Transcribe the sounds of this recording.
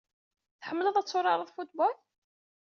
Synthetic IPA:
θħəmːələðˤæt͡sːʊɾˤɑɾˤəðˤfut̪bɔl

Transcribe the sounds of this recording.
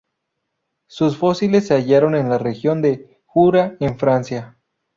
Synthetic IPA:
susfo̞silesːeaʝaɾo̞ne̞nlarexjo̞nd̪e̞ | xuɾaeɱfɾansja

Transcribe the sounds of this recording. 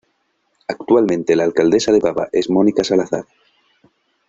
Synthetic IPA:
akt̪ualmẽnt̪e̞laːlkald̪e̞sað̞e̞βaβa̰ʔe̞zmõ̞nikasalaθa̰ɾ

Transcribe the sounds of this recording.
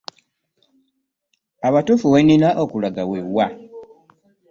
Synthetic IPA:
aβatufuweninaʔokulaɡawewa

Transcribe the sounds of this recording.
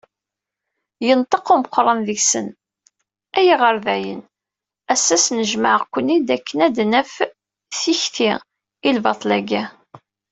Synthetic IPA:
jənt̪ˤəquməqːɾˤənðiçsən | æjiʁəɾvæjə̰n | æsːæsnəʒmaʕkʷːənːid̪ækːənæd̪nəf | θiçθi | ilvɑt̪ˤlæɡæ

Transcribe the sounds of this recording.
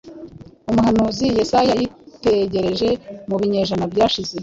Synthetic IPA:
umuɦanuːzijesajajite̞ɟe̞ɾe̞ʒe̞muβiɲe̞ʒanabɟaːʃize

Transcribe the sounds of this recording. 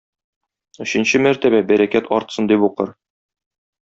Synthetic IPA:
ɵ̆ɕɘ̆nɕɘmæɾt̪æβæbæɾækæt̪ʰɒɾt̪sɤnd̪ibuqɤɾ

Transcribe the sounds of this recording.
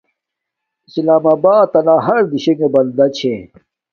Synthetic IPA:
islaːmaːbaːt̪ːɐlaːɦɐɾd̪iɕeŋɡebɐld̪ɐt͡ɕʰe

